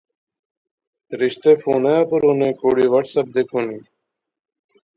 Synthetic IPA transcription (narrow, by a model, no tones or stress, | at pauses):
ɾɪɕt̪eːfuːnajãːpəɾoːnẽːkoːɽiːʋəʈʰsəb̚d̪ekoniː